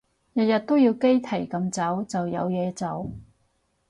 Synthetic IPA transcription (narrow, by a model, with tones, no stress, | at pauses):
jɐ˨t̚jɐ˨t̚t̪o˥wjiː˧wke˥jt̪ʰe˨˩jkɐ˧mt͡sɐ˨˥wt͡sɐ˨wjɐ̰˨˧wjɛː˨˧t͡sɐ˨˧w